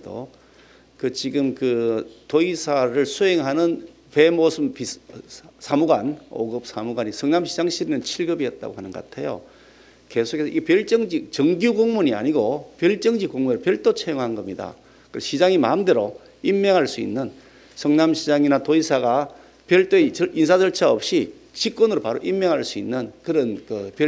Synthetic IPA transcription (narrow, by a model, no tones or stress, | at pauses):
do̰ | kɯt͡ɕiɡɯmkɯtoisʰaɾɯɭsʰuɦeŋɦanɯn | pe̞mosʰɯmpi | sʰamuɡano̰ɡɯp̚sʰamuɡaɲisʰʌŋnamɕʰid͡ʑaŋɕʰiɾinɯnt͡ɕʰiɭɡɯbijʌt̚t͈a̰ɡoɦanɯnɡʌk͈atʰe̞̰jo̰ | ke̞sʰokʰe̞sʰʌʔiepjʌɭt͡ɕ͈ʌŋd͡ʑit͡ɕʌŋɡjuɡoŋmuɲia̰ɲiɡopjʌɭt͡ɕ͈ʌŋd͡ʑikoŋmueɾɯpjʌɭt͈ot͡ɕʰejoŋɦanɡʌmɲida̰ | kɯɕʰid͡ʑaŋima̰mdeɾo | imːeŋɦaɭs͈uḭnːɯn | sʰʌŋnamɕʰid͡ʑaŋinatoisʰaɡa | pjʌɭt͈oet͡ɕʔinsʰad͡ʑʌɭt͡ɕʰaʌp̚ɕ͈i | t͡ɕik͈wonɯɾopaɾoʔimːeŋɦaɭs͈uinːɯnkɯɾʌnkɯpj